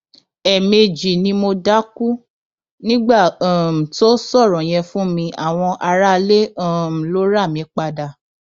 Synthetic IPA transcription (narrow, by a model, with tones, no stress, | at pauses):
ɛ˨me˧d͡ʒi˨nĩ˧mo˧da˦ku˦ | nĩ˦ɡ͡bã˦˨m̩˨to˦sɔ˦˨ɾɔ̃˨j̃ɛ̃˧fũ˦mĩ˧ʔa˦˨w̃ɔ̃˧ʔa˧ɾa˦˧le˦˨m̩˨lo˦ɾa˦˨mĩ˨˧k͡pa˧da˨